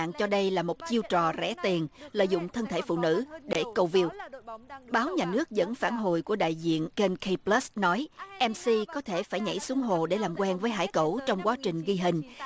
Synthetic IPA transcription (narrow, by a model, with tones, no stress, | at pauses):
a̰ː˧˨ŋt͡ɕɔ˧ɗə˧jlaː˨˩mo˨˩t̚t͡ɕi˧əwt͡ɕɔ˨˩zɛ̰˧˩˥t̪i˨˩ənlə̰ː˧˨jzʊ̰˧˨ŋ͡mt̪ʰə˧nt̪ʰe˧˩fṵ˧˨nɨ̰˧˥ɗe˧˩kə˧wvi˧əw | ɓaː˨˦wɲaː˨˩nɨ˦˥ək̚zə̰˧˥nfaː˧˩nɦo̰˨jku˧˩əɗa̰ː˧˨jzḭ˧˨ənke˧nkʰi˧plə˦˥snɔ˨˦jʔɛ˧msi˧kɔ˨˦t̪ʰe˧˩faː˧˩jɲə̰˧˥˩jsu˨˦əŋɦo̰˨ɗe˧˩laː˨˩mkwɛ˧nvəː˨˦jɦa̰ː˧˩jkə̰˧˩wt͡ɕɔ˧wŋ͡mkwaː˨˦t͡ɕï˨˩ŋ̟ɣi˧ɦï˨˩ŋ̟